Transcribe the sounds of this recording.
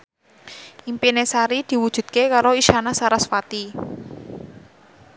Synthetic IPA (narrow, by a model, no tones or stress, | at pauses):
ʔimpinesaɾid̪̥i̤wud̥ʒ̥ṳd̪̚kekaɾoiʃanasaɾasfat̪i